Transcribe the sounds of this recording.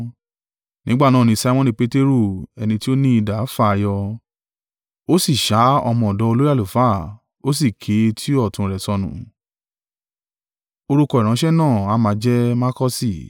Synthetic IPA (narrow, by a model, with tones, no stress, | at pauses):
nĩ˦ɡ͡ba˦˨nãː˦˨ĩ˧sa˧˦mɔ̃˦nĩ˧pe˦te˦ɾu˦˨ɛ˧nĩ˧ti˦o˦nĩ˦i˧da˨˦fa˦˨˧jɔ˧ | o˦si˦˨ʃa˨˦ɔ̰˧mɔ̃˧ɔ˨dɔ˨˧˦o˧lo˦ja˦˨lu˨fa˦˨ | o˦s̬i˦˨kʰe˨˦tʰi˦ɔ˦˨tũ˧ɾɛ˨sɔ˧nṵ̃˨ | o˧ɾu˧kɔ˧˨i˨ɾ̃ã˨˧˦ʃɛ˦nãː˦˨a˨˦mã˨˧˦d͡ʒɛ˦ma˦kɔ˦si˦˨